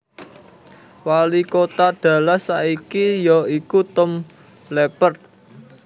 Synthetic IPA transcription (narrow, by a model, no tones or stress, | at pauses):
walikot̪ad̪̥ä̤lasaikijɔikut̪ɔm | lepərt̪̚